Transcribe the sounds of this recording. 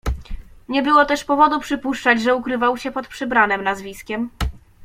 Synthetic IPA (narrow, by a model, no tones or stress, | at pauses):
ɲɛbɘwɔt̪ɛʂpɔvɔd̪upʂɘpuʂt͡ʂad͡ʑʐɛukɾɘvawɕɛpɔt̪̚pʂɘbɾanɘmnazvʲiskʲɛm